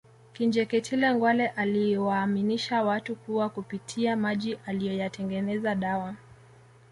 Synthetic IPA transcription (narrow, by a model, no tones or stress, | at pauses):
kind͡ʒɛkɛtʰilɛŋɡwalɛʔaliwaːminiʃawatukuwakupitʰiamaʄiʔalijɔjatɛŋɡɛnɛzaɗawa